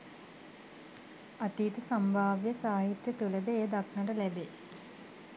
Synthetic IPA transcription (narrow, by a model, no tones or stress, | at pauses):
at̪iːt̪əsɐmbʱaːʋjɐsaːɦit̪jɐt̪uləd̪əeːd̪akʰɳɐʈəlæbeː